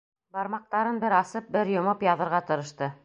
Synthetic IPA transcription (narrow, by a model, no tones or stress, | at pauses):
bɑɾmɑq̚t̪ɑɾɤnbɘɾɑsɤp̚bɘɾjŏmɤpjɑðɤ̆ɾʁɑt̪ɤ̆ɾɤ̆ʃt̪ɤ